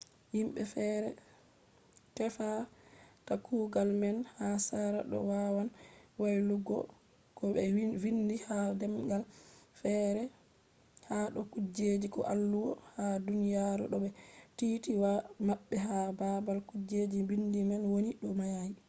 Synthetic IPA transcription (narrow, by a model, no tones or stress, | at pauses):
himɓɛfɛɾɛ | tɛfatakʰuːɡalmɛnhasaɾa̰ɗɔ̰wawanwajluɡɔ̰ | kɔɛwindihadɛmɡalfɛːɾɛ | haɗɔkud͡ʒed͡ʒikɔ̰ʔalːuwɔ̰hadunijaɾṵɗɔɓɛtitiwamaɓːɛɦababalkud͡ʒed͡ʒibindimɛnwoniɗɔmajaji